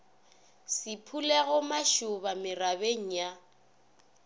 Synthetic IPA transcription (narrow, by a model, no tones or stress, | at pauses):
sɪpʰulɛɣʊmaʃʊbamɪrabeŋ̩ja